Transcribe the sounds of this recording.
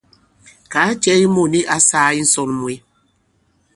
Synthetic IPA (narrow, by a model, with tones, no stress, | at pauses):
ka˨˦t͡ʃɛ˦i˦mo˦˨ni˦ʔa˦saː˦i˦n̩˦sɔ˨n˨mwe˨˦